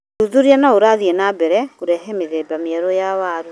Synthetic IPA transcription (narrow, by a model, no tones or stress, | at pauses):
uðuɾianaoɾaðienabɛɾɛkuɾɛɦɛmeðebamiaɾojawaːɾu